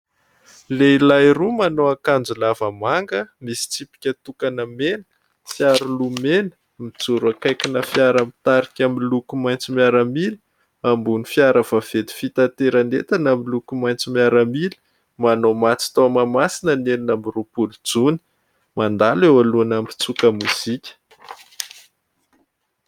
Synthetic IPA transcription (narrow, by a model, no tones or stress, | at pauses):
leilajrumanoakand͡zulavəmaŋɡəmisi̥t͡sipi̥kʲət̪ukanəmenə̥ | fjaɾulumenə̥ | mid͡zuɾakajkinəfjaɾamit̪aɾikʲamilukumajnt͡simiaɾəmil | ambunifiaɾəv̥av̥ed̪i̥fit̪ant̪eɾanet̪anamilukumajnt͡simiaɾəmili̥ | manomat͡si̥t̪omamasinənelinambirupulud͡zuni̥ | mand̪alewaluanampi̥t͡sukəmuz̥ikʲə̥